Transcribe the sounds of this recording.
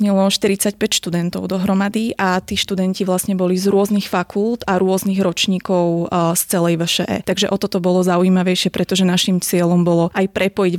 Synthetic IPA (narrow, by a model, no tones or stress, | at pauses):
ɲɛlɔʃt̪iɾit͡sac̚pɛcʃt̪ud̪ɛnt̪ɔʊd̪ɔɦɾɔmad̪iʔat̪iːʃt̪ud̪ɛnciʋlasɲɛbɔlizɾʊɔznixfakulˠd̪aɾʊɔzniɣɾɔt͡ʃɲiːkɔʊst͡sɛlɛjʋəʃɛʔɛ̰t̪aɡʒɛʔɔt̪ɔt̪ɔbɔlɔzaujimaʋɛjʃɪɛpɾɛt̪ɔʒɛnaʃimt͡sɪɛlɔmbɔlɔajpɾʔɛpɔjiɟ